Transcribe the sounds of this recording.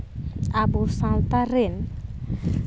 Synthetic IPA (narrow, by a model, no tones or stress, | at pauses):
abusãlt̪aren